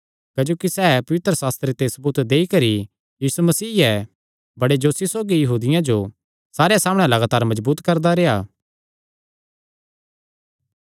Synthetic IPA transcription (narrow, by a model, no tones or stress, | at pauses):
kɐd͡ʒoːkisɛːpɐʋɪt̪ɾəsaːst̪ɾet̪esɐbuːt̪d̪eːikɐɾi | jiːsumɐsiːɛ | bɐɽed͡ʒoːsisoːɡijɐɦuːd̪ɪjãd͡ʒo | saːɾejasaːmɽ̃ɛlɐɡaːt̪aːɾmɐd͡ʒbuːt̪kɐɾd̪aɾeːaː